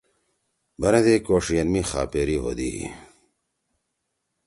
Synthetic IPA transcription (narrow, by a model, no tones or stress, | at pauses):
bɐɾɐd̪eːkoːʂijɐnmixa̰ːpeːɾiɦo̰ːd̪ḭːɦḭ